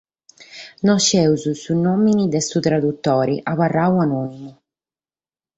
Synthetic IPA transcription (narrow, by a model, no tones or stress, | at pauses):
nɔʃːɛuzusunːominid̪ɛsut̪ɾad̪ut̪ːɔːɾiʔaβarːawanoːnimu